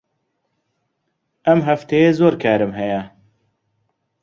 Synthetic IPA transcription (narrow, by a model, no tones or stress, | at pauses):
ɐmɦɐft̪ʰejeːzoːɾkʰaːɾɨmɦɛjɛ